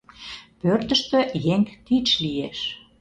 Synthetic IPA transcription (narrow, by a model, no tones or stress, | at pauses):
pørt̪ə̆ʃt̪ø̆jeŋt̪it͡ɕlieʃ